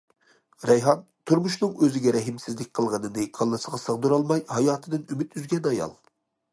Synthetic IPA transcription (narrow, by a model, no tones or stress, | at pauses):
ɾɛjɦɑn | t̪ʰuɾmuʃnɨŋøzɪɡʲɛɾɛɦɪmsɪzlɪkʲqʰəlˠʁənɨnɨkʰɑlˠːɨsəʁɑsəʁd̪uɾɑlˠmɑjhɑjɑːt̪ʰɨd̪ɨnymɪt̪jyzɡʲɛnɑjɑ̰lˠ